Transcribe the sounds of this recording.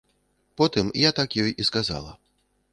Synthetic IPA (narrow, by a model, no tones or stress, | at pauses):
pɔt̪ɨmjat̪akjɔjiskaza̰lˠɐ̰